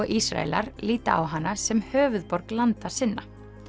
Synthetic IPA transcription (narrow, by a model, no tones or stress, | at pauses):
ɔʔisɾa̰ɛ̰la̰ɾliːt̪aa̰wɦanːasɛmhœːvʏðpɔɾklant̪aɾ̥sɪnːa